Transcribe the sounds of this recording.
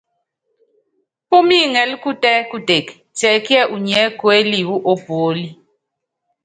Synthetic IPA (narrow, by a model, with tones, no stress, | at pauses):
pu˦mi˦ŋɛ˨lku˦tʼɛ˦ku˦de˨k | t͡sɛ˨ki˦ɛ˦ʔu˨ɲɛ˦kwe˦li˨wu˦ʔo˦b̥oː˨˦li˦